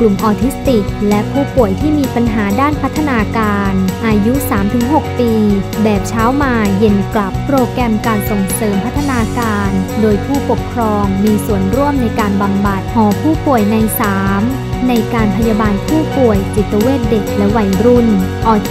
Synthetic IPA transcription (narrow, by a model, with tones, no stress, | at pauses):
klu˨˩mʔɔː˧t̪ʰi˦˥st̪i˨˩k̚lɛ˦˥ʔpʰuː˥˩pu˨˩əjt̪ʰiː˥˩miː˧pa˧nɦaː˩˦daː˥˩npʰa˦˥t̪ʰːa˧naː˧kaː˧nʔaː˧ju˦˥saː˩˦mt̪ʰɯ˩˦ŋɦo˨˩k̚piː˧bɛː˨˩p̚t͡ɕʰaː˦˥wmaː˧je˧˩nkla˨˩pːɾoː˧kɾɛ˧mkaː˧nso˨˩ŋsɤː˩˦mpʰa˦˥t̪ʰːa˧naː˧kaː˧ndoː˧jpʰuː˥˩po˨˩kʰɾɔː˧ŋmiː˧su˨˩ənɾu˥˩əmna˧jkaː˧nba˧mba˨˩t̪̚hɔː˩˦pʰuː˥˩pu˨˩əjna˧jsaː˩˦m | na˧jkaː˧npʰa˧jaː˧baː˧npʰuː˥˩pu˨˩əjt͡ɕi˨˩t̪ːa˧weː˥˩t̪̚de˨˩k̚lɛ˦˥wa˧˩jɾu˥˩nʔɔː˧